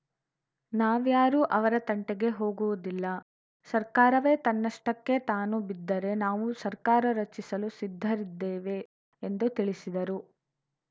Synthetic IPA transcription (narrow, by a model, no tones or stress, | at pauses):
naːʋjaːɾuːʔɐʋɐɾɐt̪ɐɳʈeɡe̞ɦo̞ːɡuʋud̪ilːɐ | sɐɾkaːɾɐʋe̞ːt̪ɐnːɐʂʈɐkːe̞t̪aːnubid̪ːɐɾe̞naːʋusɐɾkaːɾɐɾɐt͡ʃːisɐlusid̪ʱːɐɾid̪ːeːʋe̞ː | nd̪ut̪iɭisid̪ɐɾu